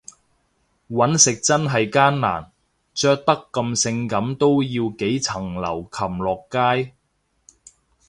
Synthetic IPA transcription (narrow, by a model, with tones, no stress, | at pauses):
wɐ˨˥nsɪ˨k̚t͡sɐ˥nɦɐ˨jkaː˥nːa̰ː˨˩n | t͡ʃœː˥k̚t̪ɐ˥kːɐ˧msɪ˧ŋkɐ˨˥mt̪o˥wjiː˧wke˨˥jt͡sʰɐ˨˩ŋlɐ̰˨˩wkʰɐ˨˩mlɔː˨kːaː˥j